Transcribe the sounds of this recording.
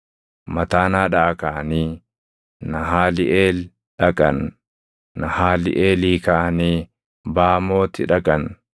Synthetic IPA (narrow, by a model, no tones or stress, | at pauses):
mɐt̪aːnaːᶑɐʔɐkɐʔɐniː | nɐɦaːlɪʔeːl | ᶑɐkʼɐ̰nː | ɐhaːlɪ̰ʔeːliːkɐʔɐniː | baːmo̞ːt̪ɪᶑɐkʼɐn